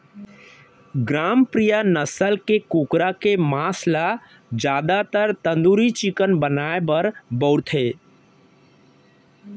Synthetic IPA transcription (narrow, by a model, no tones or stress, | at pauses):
ɡɾaːmpɾijanəsəlkekuːkɾakemaːsla | d͡ʒjaːd̪at̪əɾt̪ə̃nd̪uːɾit͡ʃɪkənbənaːebəɾbɔːɾt̪ʰɦeː